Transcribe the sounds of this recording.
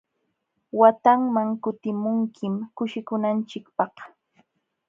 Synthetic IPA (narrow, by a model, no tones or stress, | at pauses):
wat̪aŋmaŋkʊt̪ɪmʊŋkʰɪmkʊʃɪkʊnant͡ʃɪkpɑχ